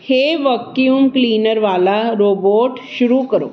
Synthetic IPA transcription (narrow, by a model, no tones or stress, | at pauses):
heʋəkjuːmkliːnəɾʋaːlaɾoːboːʈʃʊɾukəɾo̰ː